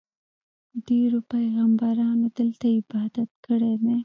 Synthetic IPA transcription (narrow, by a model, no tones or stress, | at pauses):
d̪iɾopajɣambɑɾɑːnod̪ɪlt̪aɪbɑːd̪at̪̚kəɽene